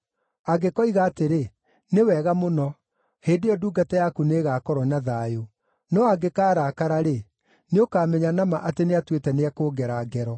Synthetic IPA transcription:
aɡekɔiɣaːteɾe | newɛːɣamonɔ | heːdejɔduːɡatajakuneːɣaːkɔɾɔnaðajo | nɔaɡekaːɾakaɾaɾe | neokaːmɛɲanama̰ʔateneatwetɛneakoːɡɛɾaːɡɛɾɔ

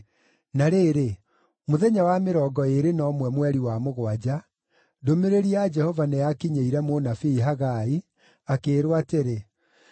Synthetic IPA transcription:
naɾeːɾe | moðɛɲawameɾɔːɡɔeɾenɔmwɛmwɛɾiwamoɣwad͡ʑa | domeɾeɾiad͡ʒɛhɔvanɛakiɲeiɾɛmonafiiɦaɣai | akeːɾwateɾe

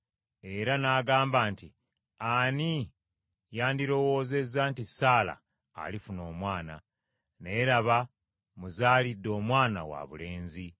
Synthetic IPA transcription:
e̞ɾanaːɡaːmbaːnti | ani | jaːndiɾo̞wo̞ːze̞zːantisaːla̰ː | lifuno̞ːmwaːna̰ | ne̞ɾaβa | muzaːlidːo̞ːmwaːna̰wa̰βṵle̞ːnzi

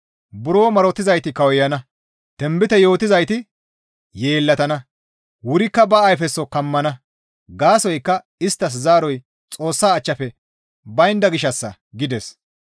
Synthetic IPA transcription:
bʊɾoːmɐɾɔt̪ːɪzɐjt̪ɪkɐwɔjɐnɐ | t̪ɛmbɪt̪ɛjo̞ːt̪ːɪzɐjt̪ɪ | je̞ːlːɐt̪ɐnɐ | wʊɾɪkːɐbɐːjfɛsːɔkɐmːɐnɐ | ɡaːsɔjkːɐ | ɪst̪ːɐs̬zaːɾɔj | t͡sʼo̞ːsːaːt͡ʃːɐpɛ | bɐjnd̪ɐɡɪʃːɐsːɐ | ɡɪd̪ɛs

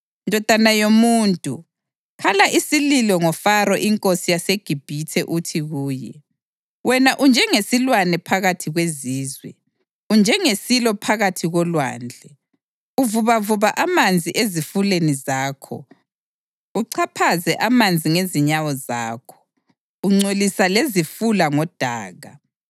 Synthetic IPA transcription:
ndʱɔd̥ʱanajomuːntʼu | kʰalaʔisililɔŋɔfaɾɔʔiŋkʼosijaseɡ̥ʱib̥ʱitʰɛʔutʰiɣuːjɛ̰ | wɛnaʔund͡ʒʱɛŋesilwanɛpʰaɣatʰiɣweziːzwɛ̰ | und͡ʒʱɛŋesilɔpʰaɣatʰiɣɔlwa̰ːnd͡ɮʱɛ | uvuβavuβaʔamand͡zʱiʔezifulenizaːkʰɔ̰ | uǀʰapʰazɛʔamand͡zʱiŋeziɲawɔzaːkʰɔ̥ | uŋ͡ǀolisalezifulaŋɔd̥ʱaːɣa

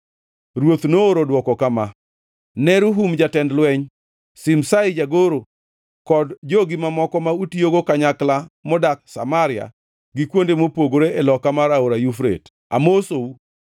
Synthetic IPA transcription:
ɾwot̪noːɾodwɔkɔkama | nɛɾuɦumd͡ʒatɛndlwɛɲ | sɪmsaɪd͡ʒaɡoɾo | kɔdd͡ʒoɡɪmamɔkɔmautioɡokaɲaklamɔdak̚sa̰maɾɪa̰ | ɡɪkwondemopoɡoɾeelɔkamaɾaoɾajufɾḛt | a̰mosou

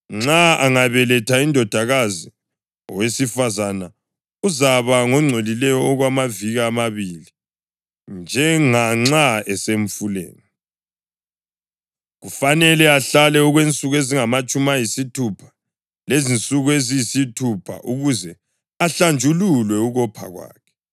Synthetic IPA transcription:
ŋ͡ǁaaŋaβɛlɛtʰaindʱɔd̥ʱaɣazi | ɔwesifazana | uzaβaŋɔŋ͡ǀʱolilɛjɔːɣwamaviɣaːmaβili | nd͡ʒʱɛŋaŋ͡ǀaɛseɱ̩fulḛːni | ɣufanɛlɛaɬalɛuɣwent͡sʼuɣeziŋamat͡ʃʼumajisitʰupʰḁ | lezint͡sʼuɣuezijisitʰupʰa̰ʔuɣuzɛ | aɬand͡ʒʱululwɛuɣɔpʰa̰ɣwa̰ːkʰɛ̥

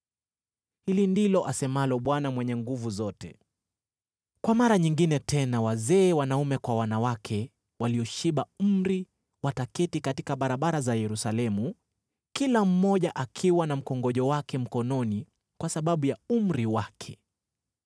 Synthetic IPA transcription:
hilindilɔʔasɛmalɔɓwanamwɛɲɛŋɡuvuzɔtɛ | kwamaɾaɲiŋɡinɛtʰɛnawazɛːwanaumɛkwawanawakʰɛ | waliɔʃiɓam̩m̩ɾi | watakɛtikatikaɓaɾaɓaɾazajɛɾusalɛmu | kilam̩mɔʄaʔakʰiwanam̩kɔŋɡɔʄɔwakɛm̩kɔnɔni | kwasaɓaɓujaum̩ɾiwakʰɛ

